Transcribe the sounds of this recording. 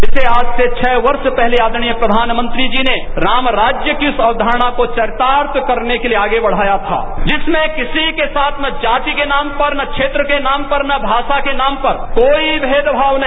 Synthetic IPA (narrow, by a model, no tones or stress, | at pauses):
ɪseaːd͡ʒset͡ʃʰɛːʋɐɾspɛɦleaːd̪ɽ̃ijəpɾɐd̪ʱaːnmə̃nt̪ɾid͡ʒineɾaːmɾaːd͡ʒjəkiʊsɐʋd̪ʱaːɾɽ̃akot͡ʃɐɾɪt̪aːɾt̪kɐɾnekelieaːɡebɐɽ̤aːjat̪ʰa̰ːd͡ʒɪsmẽkɪsikesaːt̪ʰnɐd͡ʒaːt̪ikenaːmpɐɾnɐkʃʰeːt̪ɾəkenaːmpɐɾnɐbʱaːʃakenaːmpɐɾkoːibʱeːd̪bʱaːʋnɐ